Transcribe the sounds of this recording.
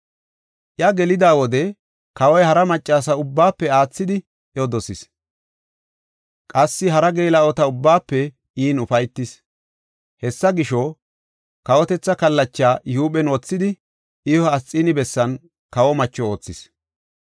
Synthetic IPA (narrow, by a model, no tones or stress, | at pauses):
ʔjɐɡɛlɪd̪aːwɔd̪ɛ | kɐwɔjhɐɾɐmɐt͡ʃʼːaːs̬ɐʊbːaːpːɛaːt͡sːɪd̪ɪ | ʔjɔd̪ɔsɪs | kʼɐsːɪɦɐɾɐɡeːlɐɔt̪ɐʊbːaːpːɛ | ʔiːnʊfɐjt̪ːɪs | hɛsːɐɡɪʃɔ | kɐwɔt̪ɛt͡sːɐkɐlːɐt͡ʃːaːjɪhuːɓɛnɔt͡sːɪd̪ɪ | ʔɪɔɐt͡sʼːɪnɪbɛsːɐn | kɐwɔmɐt͡ʃːɔo̞ːt͡sːɪs